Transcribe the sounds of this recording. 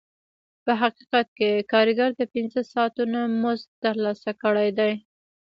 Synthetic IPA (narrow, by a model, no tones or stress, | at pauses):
pəɦaqiqat̪̚kekɑɾiɡaɾd̪əpɪnzəsɑt̪unamʊzt̪əɾlɑsakəɽajd̪aj